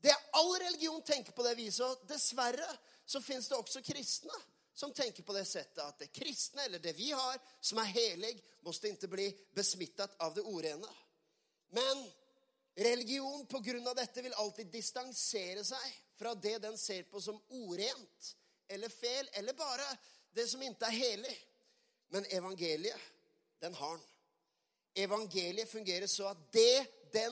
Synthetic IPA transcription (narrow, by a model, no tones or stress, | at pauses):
d̪ɛɑlːɾɛlɪɡɪuːn̩t̪ʰɛŋkəɾpɔd̪ɛʋiːsɔd̪ɛsʋærːə | sɔfɪnsd̪ɛɔksɔkʰɾɪst̪nə | sɔmt̪ʰɛŋkəɾpɔd̪ɛsɛt̪ːəɑt̪̚d̪ɛkʰɾɪst̪nəɛlːəɖɛʋɪhɑɾsɔmæɾɦeːlɪɡ | mɔst̪əɪnt̪ːəbliːbəsmɪt̪ːɑt̪ɑʋd̪ɛuːɾeːnə | mɛn | ɾɛlɪɡɪuːnpʰɔɡɾʉnːɑʋd̪ɛt̪ːəʋɪlɑlt̪iːd̪ːɪst̪ɑŋseːɾəsæɪfɾɑd̪ɛd̪ɛnseːɾpɔsɔmuːɾeːnt̪ | ɛlːəɾfeːlɛlːəɾbɑːɾəd̪ɛsɔmɪnt̪əæɾɦeːlɪ | mɛnɛʋɑŋɡeːlɪə | d̪ɛnhɑɳ | ɛʋɑŋɡeːlɪəfʉŋɡeːɾəʂɔɑt̪̚d̪ɛd̪ɛ